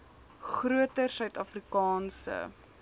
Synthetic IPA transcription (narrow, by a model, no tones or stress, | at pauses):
χruətərsœɥtɐfrikɑːnsə̰